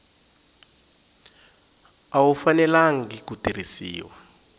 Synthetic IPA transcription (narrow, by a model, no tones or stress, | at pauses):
awufanɛlaŋ̩ɡikutiɾisḭːwa̰